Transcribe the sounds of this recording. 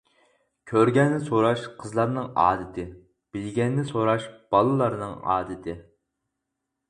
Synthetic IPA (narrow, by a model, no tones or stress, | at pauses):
kʲʰøɾɡʲɛnːɪsoɾɑʃqʰəzlˠɑɾnɨŋɑ̰ːd̪ɨt̪ʰɨ | b̥ɪlɡʲɛnːɪsoɾɑʃb̥ɑlˠɨlˠɑɾnɨŋɑ̰ːd̪ɨt̪ʰɨ